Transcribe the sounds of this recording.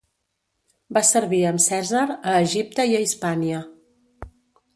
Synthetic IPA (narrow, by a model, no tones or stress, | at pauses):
basəɾβiəmsɛzəɾəːʒip̚t̪əiəispaniə